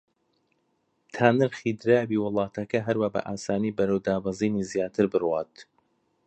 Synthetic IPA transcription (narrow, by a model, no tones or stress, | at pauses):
t̪ʰaːnɨɾxid̪ɾaːbiːwɨlˠɑːt̪ɐkɐɦɐɾwaːbɐ̰ʔaːsaːniːbɐɾɐwd̪aːbɑziːnizjaːt̪ʰɨɾbɨrwaːt̪